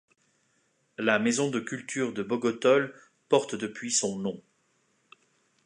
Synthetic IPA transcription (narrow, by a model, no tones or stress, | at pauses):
lamezɔ̃d̪əkʲylt̪yʁd̪əbɔɡɔt̪ɔl | pɔʁt̪d̪əpɥisɔ̃nɔ̃